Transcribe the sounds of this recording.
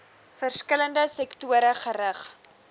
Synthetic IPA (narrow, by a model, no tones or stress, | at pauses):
fərskələndəsɛktuəɾəχəɾəχ